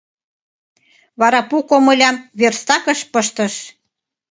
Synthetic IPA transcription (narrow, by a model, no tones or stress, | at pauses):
βɑɾɑpukomɤlʲɑmβerst̪ɑkə̆ʃpəʃt̪əʃ